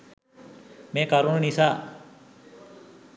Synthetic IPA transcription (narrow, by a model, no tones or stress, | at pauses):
mẽːkaɾunnisa